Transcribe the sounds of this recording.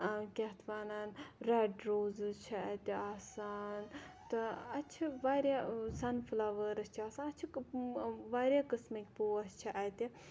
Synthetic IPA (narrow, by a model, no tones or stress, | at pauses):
kʲɐt̪ʰʋaːnaːnɾɛɖɾoːzɨt͡ʃʰiɐt̪iaːsaːnt̪ɨɐt͡ʃʰiʋaːɾjasɐnfʰɨlaːʋəɾɐst͡ʃʰiaːsanɐt͡ʃʰi | ʋaːɾjaːkɨsmɐkʲpuɐst͡ʃʰiʔɐt̪i